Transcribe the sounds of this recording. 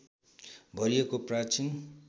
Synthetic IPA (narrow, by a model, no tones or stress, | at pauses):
bʱʌɾijekoprat͡sin